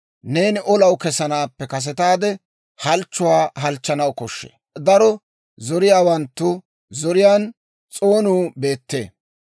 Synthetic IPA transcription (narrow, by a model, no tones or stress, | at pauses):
neːnɪʔɔlɐwkɛsɐnaːpːɛkɐs̬ɛt̪aːd̪ɛ | hɐlt͡ʃːʊwaːɦɐlt͡ʃːɐnɐwkɔʃːḛːd̪ɐɾɔ | zɔɾɪjaːwɐnt̪ːʊ | zɔɾɪjaːn | t͡sʼo̞ːnuːbe̞ːt̪ːe̞̰ː